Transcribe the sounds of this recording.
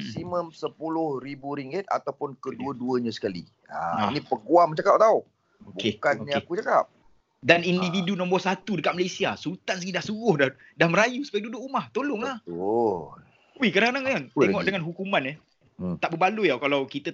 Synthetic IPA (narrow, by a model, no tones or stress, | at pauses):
siməmsəpulʊhɾibuɾiŋɡɪt̪̚a̰t̪awpʊnkəduəduəɲãsə̥kalḭ | a̰nĩpəɡuamt͡ʃakap̚t̪au | obukekkanːiakut͡ʃakap̚ | danindividunɔ̃mbɔrsat̪udəkat̪ʔ̚malesiasult̪ans̬əɡidaʔsuɡʊhda | dahməɾajusəpajadudʊʔumaht̪olʊŋlah | wikadaŋkadaŋaŋt̪eŋɔʔdəŋanɦukumãnə | t̪aʔbəbalujakalawkit̪ə